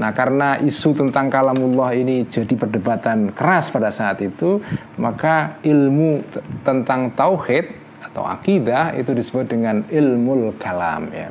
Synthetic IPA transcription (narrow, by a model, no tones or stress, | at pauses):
nahkaɾənaʔisut̪ənt̪aŋkalamulːɑhinid͡ʒadipərdəbat̪ankəɾaspadasaːt̪it̪u | makaʔɪlmut̪ənt̪aŋt̪auhɪt̪̚ | at̪a̰wa̰kidahḭt̪udisəbʊt̪̚dəŋanɪlmʊlkala̰mja̰